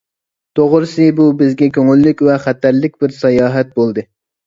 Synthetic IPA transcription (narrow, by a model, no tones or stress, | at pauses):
t̪ʰoʁɾɨsɨbubɪzɡʲɛkʲʰøŋylːykʲvɛχæt̪ːæɾlɪkʲbɪɾsɑjɑːɦɛt̪̚bolˠd̪ɨ